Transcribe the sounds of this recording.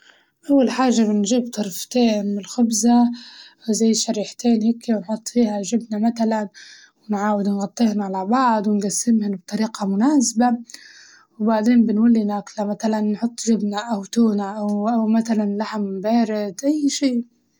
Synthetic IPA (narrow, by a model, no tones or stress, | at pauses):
ʔawːalħaːʒːabɪnʒiːb̚t̪ˤɑɾˤft̪eːnmɪlxʊbza | zajːʃaɾiːħt̪eːnhakːiwɪnħʊt̪ˤːfiːhaʒɪbnamat̪alan | wɪnʕaːwɪd̪nɣɑt̪ˤːihnaʕalabɑʕd̪ˤwɪnɡasːɪmhɪnbt̪ˤɑɾiːqɑmʊnaːsba | wbaʕd̪eːnbɪnwalːinaːklamat̪alanːħʊt̪ˤːʒɪbnaʔawt̪uːnaʔawʔawmat̪alanlaħmːɪmbeːɾɪd̪ʔajːʃiːʔ